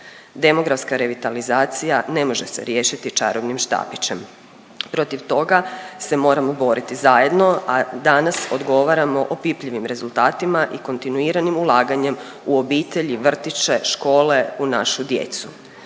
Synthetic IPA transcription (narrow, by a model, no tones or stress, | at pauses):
d̪e̞mo̞ɡɾafskaɾe̞ʋit̪alizaːt̪sijane̞mo̞ʒese̞̰ɾjeʃit̪it͡ʃa̰ɾoʋnimʃt̪a̰ːpit͡ɕe̞m | pɾo̞t̪iʋt̪o̞ɡase̞mo̞ːɾamo̞bo̞ɾit̪izaje̞d̪no̞ad̪anaso̞d̪ɡo̞ʋaɾamo̞ʔopipʎiʋimɾe̞zulˠt̪aːt̪imaʔiko̞nt̪inuiɾanimulˠaːɡaɲe̞m | uo̞biːt̪eʎiʋr̩t̪it͡ʃe̞ʃko̞ːle̞unaʃud̪je̞̰t̪su